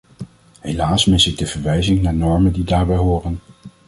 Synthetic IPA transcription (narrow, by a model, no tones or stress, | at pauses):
ɦejlaːsmɪsɪɡ̚dəv̥əɹʋɛjzɪŋnaːɹnɔɹməndidaːɹbɛjɦʊːrən